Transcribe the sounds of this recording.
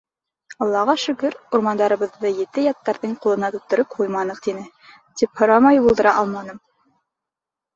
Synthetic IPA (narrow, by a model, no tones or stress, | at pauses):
ɑlˠːɑʁɑʃɵ̆kɵɾuɾmɑnd̪ɑɾɤ̆βɤ̆ðːɤjɘ̆t̪ɘjɑt̪ːɑɾðɤɴqulˠɤ̆nɑt̪uk̚t̪ŏɾɤp̚hujmɑnɤqt̪inɘ | t̪iphŏɾɑmɑjbulˠd̪ɤ̆ɾɑʔɑlˠmɑnɤm